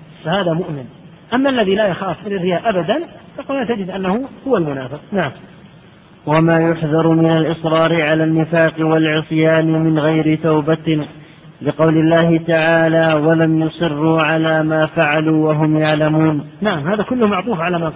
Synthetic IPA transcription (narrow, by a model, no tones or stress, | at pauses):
fahaːðamʊʔmɪn | ʔamːaalːaðilaːjaxɑːfʔɪlarːɪjaːʔabad̪anfɑqalaːt̪ad͡ʒɪd̪ʔanːahʊhʊwalmʊnaːfɪq̚naʕam | wamaːjʊħðɑɾˤmɪnalʔɨsˤɾˤɑːɾɪʕalaːnːɪfaːqɪwalʕɨsˤjaːnɪmɪnɣajɾɪt̪awba | lɪqɑwlɪlːaːhɪt̪aʕaːlaːwalamjʊsˤɨrːuːʕalaːmaːfaʕaluːwaɦʊmjaʕlamuːnnaʕamhaːðakʊlːʊhmaʕt̪ˤuːfʕalaːma